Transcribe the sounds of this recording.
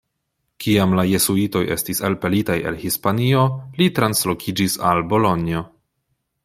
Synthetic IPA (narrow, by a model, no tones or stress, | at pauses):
kʰiamlaje̞suito̞je̞̰stiselpe̞litaje̞̰lhispanio̞litɾanslo̞kʰid͡ʒisalbo̞lo̞nio̞